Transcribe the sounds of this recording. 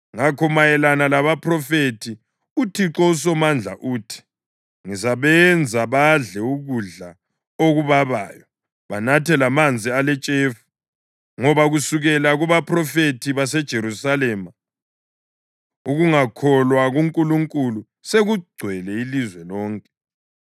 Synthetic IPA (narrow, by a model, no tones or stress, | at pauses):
ŋakʰɔmajɛlanalaβapʰrɔfetʰi | utʰiǁɔus̬ɔmand͡ɮʱa̰ʔuːtʰi̥ | ŋisaβɛnd͡zʱaβaɮɛuɣuɮa | oɣuβaβa̰ːjɔ | βanatʰɛlamand͡zʱialɛt͡ʃʼefu̥ | ŋɔβaɣusuɣɛlaɣuβapʰrɔfetʰiβasɛd̥ʒ̥ʱeɾusalɛːma | uɣuŋakʰɔlwaɣuŋkʼuluŋkʼulu | seɣuɡ͡ǀʱwɛlɛilizwɛlɔːŋkʼɛ̥